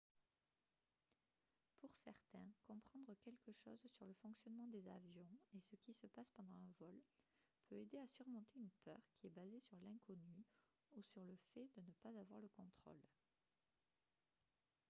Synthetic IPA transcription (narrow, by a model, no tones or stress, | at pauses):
puʁsɛ̰ʁt̪ɛ̃kɔ̃pχɑ̃d̪ʁəkʲɛlkəʃɔ̰zsyʁləfɔ̃ksjɔnmɑ̃d̪ezavjɔ̃esəkʲisəpaspɑ̃d̪ɑ̃ɛ̃vɔlpʰøed̪easyʁmɔ̃t̪eynpœ̰ʁkʲiɛbazesyʁlɛ̃kʰɔny | usyʁləfɛd̪ənəpazavwaʁləkɔ̃t̪χɔ̰l